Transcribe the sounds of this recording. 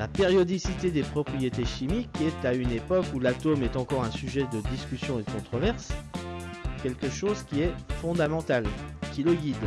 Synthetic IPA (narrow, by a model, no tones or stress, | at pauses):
lapeʁjɔd̪isit̪ed̪epχɔpχijet̪eʃimikːɛt̪aynepɔkulat̪omɛt̪ɑ̃kɔʁɛ̃syʒɛd̪əd̪iskʲysjɔ̃ed̪əkɔ̃t̪χɔvɛʁs | kʲɛlkəʃozkʲiɛfɔ̃d̪amɑ̃t̪alkʲiləɡʲid̪